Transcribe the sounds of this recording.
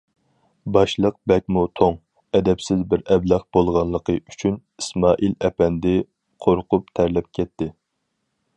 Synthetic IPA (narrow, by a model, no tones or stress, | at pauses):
bɑʃlˠəq̚bɛk̚ʲmut̪ʰoŋ | ɛd̪ɛpsɪzbɪɾɛblɑχb̥olˠʁɑnlˠəqʰəy̥t͡ʃʰyn | i̥smɑːʔilɛpɛnd̪ɪ | qʰoɾqʊp̚t̪ʰæɾlɛp̚kʲʰɛt̪ːɪ